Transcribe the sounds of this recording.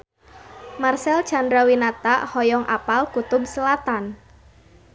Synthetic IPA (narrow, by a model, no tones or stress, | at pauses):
marsɛl̥ʒ̥andɾawinat̪aʔhɔjɔŋʔa̰palkut̪ʊbsəlat̪an